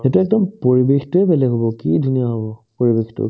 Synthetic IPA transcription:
etuɛk̚dɔmpoɹibextuɛbɛlɛɡʱɦɔbɔkidʱuniaɦɔbɔpoɹibextṵ

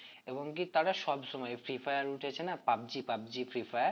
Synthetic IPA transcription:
eboŋkit̪aɾaʃɔbʃɔmɔefɾifajaɾuʈʰet͡ɕʰenapab̚d͡ʑipab̚d͡ʑifɾifaja

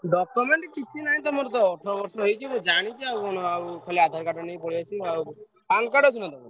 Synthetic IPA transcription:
ɖɔkɔmeɳʈkit͡ʃʰinaɦĩt̪ɔmɔɾt̪̬ɔːʈʰɾɔbɔɾsɔɦojt͡ʃʰimũd͡ʒaɽ̃it͡ʃʰiawɔñɔawkʰaliad̪ʱaɾkaʈɔnejpɔɽiat͡ʃʰiaw | paŋkaɖɔt͡ʃʰunat̪ɔm

